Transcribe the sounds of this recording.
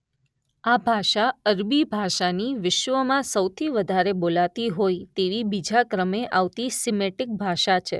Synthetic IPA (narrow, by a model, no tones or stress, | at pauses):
abʱaʃaəɾbibʱaʃaniʋɪʃʋəmãsəwt̪ʰiʋəd̪ʱaɾebolat̪iɦojt̪eʋibid͡ʒakɾəmeʔaʋt̪isimeʈɪk̚bʱaʃat͡ʃʰḛ